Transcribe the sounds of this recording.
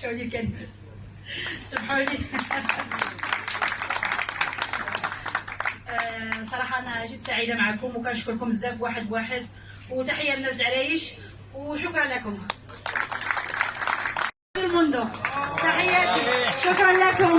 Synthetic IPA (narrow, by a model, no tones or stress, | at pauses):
ʃæwlikæn | sˤəbħali | sˤɑɾˤɑħɑʔænæʔæʒid̪saʕəd̪amʕakʊmwkænʃkʊɾkʊməzːæfwaħəd̪waħəd̪ | wt̪aħəjːænːæzəlʕlæjiʃ | wʃʊkɾˤɑnlækʊm | bilmʊnd̪ʊt̪aħəjːæʃʊkɾˤɑnlækʊm